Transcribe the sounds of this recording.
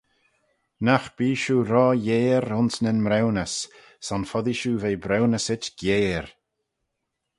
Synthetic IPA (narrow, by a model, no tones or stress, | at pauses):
naxb̥iːʃuːɾɔːjeːɾʊnsnənmɾɛwnəs | sɔnfɔðiʃuːveːbɾɛwnəsɪtɡ̥jeːɾ